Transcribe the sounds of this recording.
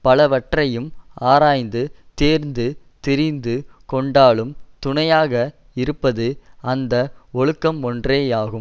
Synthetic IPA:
pɐlɐʋɐʈrɐjɯmaːɾaːjnd̪ɯt̪eːɾnd̪ɯ | t̪ɪɾɪnd̪ɯkɔɳɖaːɭɯmt̪ʊɳɐjaːɣɐ | ɪɾɯpːɐðɯɐnd̪ɐɔɭɯkːɐmɔndreːaːɣɯm

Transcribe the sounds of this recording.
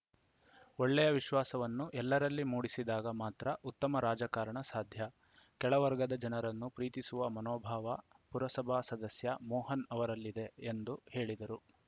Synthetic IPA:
oɭːɛjɐʋiʃʋaːsɐʋɐnːuʔɛlːɐɾɐlːimuːɽisid̪aːɡɐmaːt̪ɾɐʔut̪ːɐmɐɾaːd͡ʒakaːɾɐɳɐsaːd̪ʱjɐ | kɛɭɐʋɐɾɡɐd̪ɐd͡ʒɐnɐɾɐnːupɾiːt̪isuʋɐmɐnɔːbʱaːʋɐpuɾɐsɐbʱaːsɐd̪ɐsjɐmɔːɦɐnɐʋɐɾɐlːid̪e̞end̪uhe̞ːɭid̪ɐɾu

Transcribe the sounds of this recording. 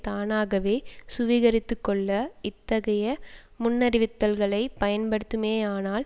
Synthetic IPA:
t̪aːnaːɣɐʋeːsʊʋiɣɐɾɪt̪ːɯkːɔɭːɐɪt̪ːɐɣɐjɐ | mʊnːɐɾɪʋɪt̪ːɐlɣɐɭɐɪpɐjɐnpɐɽɯt̪ːɯmeːaːnaːl

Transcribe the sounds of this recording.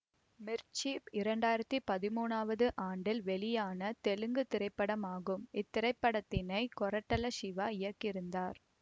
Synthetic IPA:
mɪɾt͡ʃiːpɪɾɐɳɖaːjɪɾɐt̪ːipɐðɪmuːnaːʋɐðɯʔaːɳɖɪlʋɛɭɪjaːnɐt̪ɛlɯŋɡɯt̪ɪɾɐɪpːɐɽɐmaːɣɯmɪt̪ːɪɾɐɪpːɐɽɐt̪ːɪnɐɪkɔɾɐʈːɐlɐʃɪʋaːɪjɐkːɪɾɯnd̪aːɾ

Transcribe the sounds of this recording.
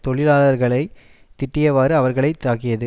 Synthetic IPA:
t̪ɔɭɪlaːlɐɾɣɐɭɐɪ | t̪ːɪʈːɪjɐʋaːɾɯɐʋɐɾɣɐɭɐɪt̪aːkɪjɐðɯ

